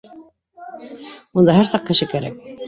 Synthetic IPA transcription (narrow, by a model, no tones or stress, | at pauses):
und̪ɑɦæɾsɑq̚kɘ̆ʃɘkæɾæ̰k̚